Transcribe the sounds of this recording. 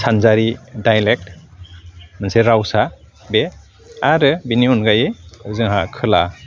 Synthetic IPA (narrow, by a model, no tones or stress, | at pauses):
sʰanzaɾidajlek̚t | manseɾawsa | be | aɾɯbiniɔnɡajezɯŋɦakʰɯla